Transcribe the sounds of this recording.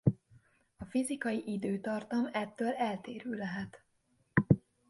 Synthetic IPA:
ɒfizikɒjiʔid̪øːt̪ɒrt̪ɒmɛt̪ːøːlɛlt̪eːɾyːlɛɦɛt̪

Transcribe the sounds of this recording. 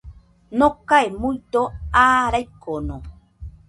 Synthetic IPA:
nõkaemujt̪oaːɾajkːonõ

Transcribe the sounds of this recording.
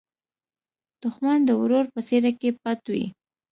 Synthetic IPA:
d̪̥ʊxmand̪əwɾoɾpəseɾakep̚at̪wḭ

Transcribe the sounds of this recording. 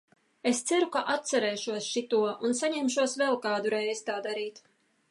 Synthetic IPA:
est̪sæɾukaʔat̪t̪sɛɾɛːʃuɔsʃit̪uɔunsaɲɛmʃuɔsvɛlˠkaːd̪uɾɛjzt̪aːd̪aɾiːt̪

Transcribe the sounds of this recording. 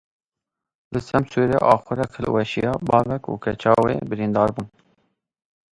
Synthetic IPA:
lɨsɛmsuːɾɛ̰ʔɑːxʷʊɾɛkʰəlwɛʃijɑːbɑːvɛkṵːkʰɛt͡ʃʰɑːwḛːbɨɾind̪ɑːɾbuːn

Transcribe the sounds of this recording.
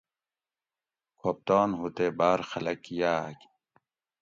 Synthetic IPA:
kʰoːp̚t̪aːnɦut̪eːbaːɾxɐlɐkjaːk

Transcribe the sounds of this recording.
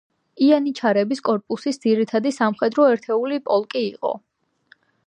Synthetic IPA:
ianit͡ʃʰaɾɛbiskʼɔɾpʼusisd̪ziɾit̪ʰad̪isamχwɛd̪ɾɔɛɾt̪ʰɛulipʼɔlˠkʼiːqʼɔ̰

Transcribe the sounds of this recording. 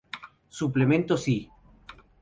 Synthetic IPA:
suplemẽnt̪osi

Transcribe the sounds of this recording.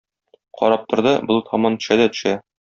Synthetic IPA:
qɒ̰ɾɑp̚t̪ŏɾd̪ɤbŏlˠt̪ʰɒmɑnt̪ɵ̥̆ɕæd̪æt̪ɵ̆ʃæ

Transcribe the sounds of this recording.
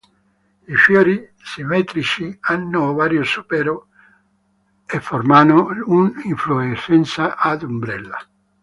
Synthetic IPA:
ifjoːɾi | simɛːt̪ɾit͡ʃianːʊvaːɾjʊsupɛːɾʊ | efːɔrmanʊuniɱfluesɛnt̪saʔːd̪umbɾɛlːa̰

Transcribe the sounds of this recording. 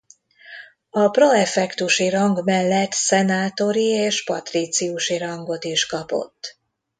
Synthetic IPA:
ɒproɛfɛkt̪uʃiɾɒŋɡmɛlːɛt̪sɛnaːt̪o̞ɾieːʃpɒ̰t̪rit̪siuʃiɾɒŋɡo̞t̪iʃkɒpo̞̰t̪ː

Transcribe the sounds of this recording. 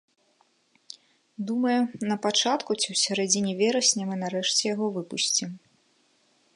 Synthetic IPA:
d̪umɐjɛnɐpat͡ʂat̪kut͡sʲiwsʲaɾɛd͡zʲinʲivʲɛɾɐsʲnʲɛmɨnɐɾɛʂt͡sʲɛjaɣɔvɨpusʲt͡sʲim

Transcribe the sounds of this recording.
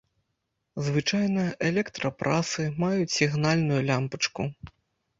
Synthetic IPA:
zvɨt͡ʂajnɐʔɛlʲɛkt̪ɾɐpɾʔasɨmajut͡sʲsʲiɣnalʲnujulʲampɐt͡ʂku

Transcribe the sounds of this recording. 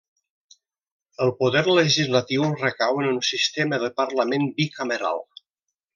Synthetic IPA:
əlˠpuðɛɾləʒizlət̪iwrəkawənunsist̪eməðəpəɾləmenbikəməɾa̰lˠ

